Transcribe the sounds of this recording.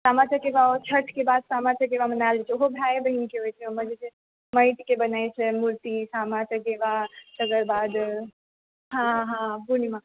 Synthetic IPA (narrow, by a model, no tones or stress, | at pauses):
samat͡ʃəkebaot͡ʃʰəʈʰkebad̪samat͡ʃək̬ebamənald͡ʒet͡ʃʰɛoɦobʱajebəɦinikeɦojt͡ʃʰɛoməd͡ʒet͡ʃʰe | məjʈ̪kebənajt͡ʃʰɛmuɾt̪isamat͡ʃəkebasəɡəɾbad̪ | ɦãɦãbunima